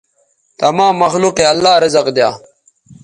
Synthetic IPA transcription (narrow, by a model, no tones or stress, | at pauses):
t̪ɐmãːmːɐxluːqeɐlːaːɾɐzɐqd̪jaː